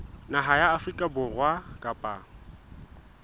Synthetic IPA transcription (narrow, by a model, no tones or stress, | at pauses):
naɦajaːfrikʼabʊrwakʼapʼa̰